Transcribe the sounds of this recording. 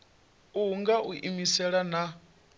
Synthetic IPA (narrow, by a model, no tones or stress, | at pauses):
uŋɡaʔuʔimisɛɺana